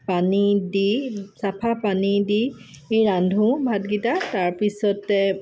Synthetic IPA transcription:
panidisapʰapanidi | eɹandʱũbʱat̚ɡitataɹpisɔtɛ

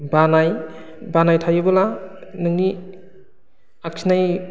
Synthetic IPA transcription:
banaj | banajtʰajɯbɯlanɯŋni | ak̚sʰinaj

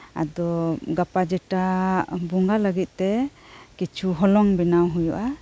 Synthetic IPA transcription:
a̰d̪ɔɡapad͡ʒɛʈabuŋɡaləɡit̪̚ˀt̪ɛkit͡ʃʰuɦɔlɔŋbinawɦujuʔa

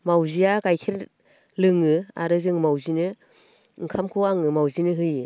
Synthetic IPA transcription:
mawziaɡajkʰeɾ | lɯŋɯa̰ɾɯzɯŋmawzinɯ | ŋkʰamkʰɯaŋɯmawzinɯɦɯjɯ

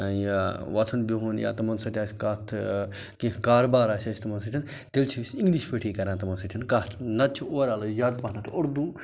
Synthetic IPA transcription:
jaʋɐt̪ʰɐnbʲiɦunja̰ːt̪ɐmɐnsɐt̪ʲaːsʲkat̪ʰ | kĩkaːɾbaːɾaːsʲɐsʲt̪ɐmɐnsɐt̪ʰin | t̪elt͡ʃʰisʲĩŋɡliʃpʰəʈʰiːkɐɾãːnt̪ɐmɐnsɐt̪ʰinkat̪ʰnɐt̪̚t͡ʃʰioːɾaːlozaːd̪paɦnɐt̪ʰoɾd̪uː

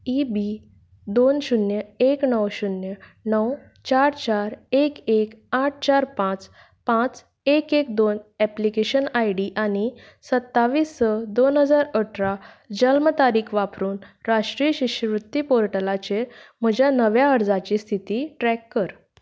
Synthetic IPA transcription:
ibi | d̪onɕunjəeknəwɕunjənəw | t͡ɕaɾt͡ɕaɾekekaʈ̚ʰt͡ɕaɾpãt͡s | pãt͡s | ekekd̪onɛplikeɕənajɽiʔañi | sət̪ːaʋiːst͡səd̪onɦəd͡zaɾəʈʰɾa | d͡ʑəlmət̪aɾiːkʰʋapɾuːnɾaʂʈɾijəɕiɕəʋɾut̪ːipoɾʈəlat͡ɕem̤əd͡ʑʱjanəʋjaəɾd͡zat͡ɕiːst̪ʰit̪iːʈɾɛkːəɾ

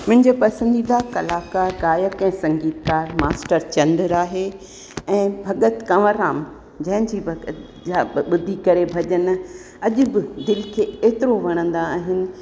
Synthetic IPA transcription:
mʊ̃ɦɪ̃ɲd͡ʑepɐsə̃nd̪iːd̪akɐlaːkaɡaːjəkɛ̃ːsɐ̃ŋɡiːt̪ɡaːɾmaːsʈəɾt͡ɕɐ̃nd̪əɾaːɦe | ɛ̃ːbʱɐɠət̪kɐʋəɾaːm | d͡ʑɐ̃ɦɪ̃d͡ʑiːbʱɐɡət̪ | aːɓʊd̪ʱikɐɾebʱɐʄənɪ̆ | ɐʄʊbɪd̪ɪlkʰeːeːt̪ɪɾoʋɐɽ̃ə̃nd̪aaːɦɪnɪ̆

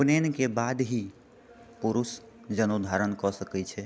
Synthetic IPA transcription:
pnenkebad̪ɦi | puɾus | d͡ʒənud̪ʱaɾənkɔsəkɛt͡ʃʰɛ

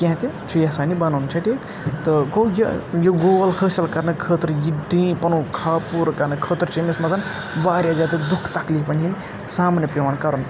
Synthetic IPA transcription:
kẽɦãt̪it͡ʃʰujɐsaːnibɐnont͡ʃʰɐʈʰiːk | t̪ɨkojɐjoɡoːlkʰəːsɐlkɐɾnɨkʰəːt̪ɾjiɖĩːpɐnukʰaːpuːɾkɐnɨkʰəːt̪ɾt͡ʃʰemismɐzɐn | ʋaːɾjad͡ʒaːt̪ɨd̪ukʰt̪ɐklipɐnin | saːmnepemaːnkɐɾun

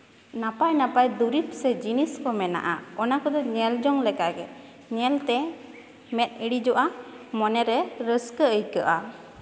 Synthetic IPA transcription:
napajnapajd̪uɾit̪̚sɛd͡ʒiniskɔmɛna̰ʔa̰ɔnakɔd̪ɔɲɛld͡ʒɔŋlɛkaɡɛ | ɲɛlt̪ɛ | mɛt̪̚ˀiɽid͡ʒɔʔa | mɔnɛɾɛɾəskəəjkəʔa

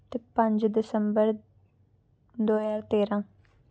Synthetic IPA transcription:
t̪epə̃ɲd͡ʒd̪ɪsəmbəɾ | d̪oːjaːɾt̪eːɾãː

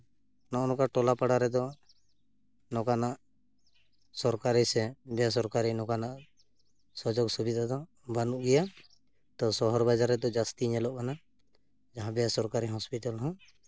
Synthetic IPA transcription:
nɔʔnɔkaʈɔlapaɽaɾɛd̪ɔ | nɔkanaʔ | sɔɾkaɾisɛbɛjas̬ɔɾkaɾinɔkanaʔ | sɔd͡ʒɔksubid̪ʱad̪ɔ | banuʔɡɛja | t̪ɔsɔɦɔɾbad͡ʒaɾɛd̪ɔd͡ʒast̪iɲɛlɔʔkana | d͡ʒaɦãbɛjasɔɾkaɾiɦɔspiʈalɦɔ̃

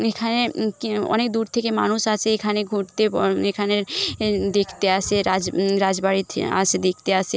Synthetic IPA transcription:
ekʰanekɔ̰nek̚d̪uɾt̪ʰekema̰nuʃat͡ʃʰeekʰaneɡʱuʈt̪eɔekʰaned̪ekʰt̪easʰeɾad͡ʒɾad͡ʒbaɽit̪ʰa̰t͡ʃʰed̪ekʰt̪ease

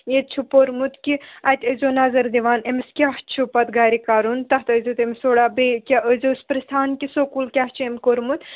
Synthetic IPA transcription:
jet̪̚t͡ʃʰupoɾmut̪kʲiɐt̪ʲəzoːnazɐɾd̪iʋaːnemiskʲaht͡ʃʰupɐt̪ɡaːɾikaːɾunt̪ɐɦt̪əzut̪emsoːɽaːbekʲaʔəzospɾɐst̪ʰaːnkʲisoːkulkʲaht͡ʃʰuemʲkoɾmut̪

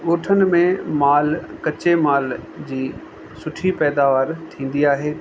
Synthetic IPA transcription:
oːʈʰənɪ̆mẽmaːlkɐt͡ɕemaːld͡ʑiː | sʊʈʰipɛːd̪aːʋaːɾt̪ʰĩːn̆d̪iaːɦeː

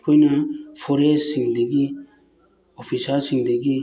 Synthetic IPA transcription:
kʰujnapʰɔɾessiŋd̪eɡi | ɔpʰisaɾsiŋd̪eɡi

